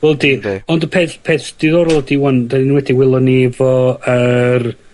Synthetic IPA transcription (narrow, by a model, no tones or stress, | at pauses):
wɛlˠdiɔndəpʰeːθpʰeːθd̥iðɔɾlˠdiwɔndanwɛdiwɪlˠɔnivɔər